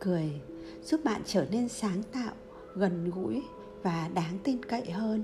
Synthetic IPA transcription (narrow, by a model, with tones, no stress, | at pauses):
kɨ˨˩əj | z̥u˦˥p̚ɓa̰ː˧˨nt͡ɕəː˧˩ne˧nsaː˨˦ŋt̪a̰ː˧˨w | ɣə˨˩nɣṵ˧˥j | vaː˨˩ɗaː˨˦ŋt̪i˧nkə̰˧˨jhəː˧n